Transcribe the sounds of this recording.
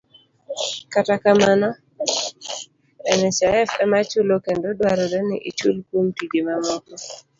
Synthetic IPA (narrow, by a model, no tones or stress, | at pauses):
katakamanɔ | ɛnɛt͡ʃaɛfɛmat͡ʃulokendodwaɾɔdɛnɪ̰ʔit͡ʃulkwomtid͡ʒemamɔtɔ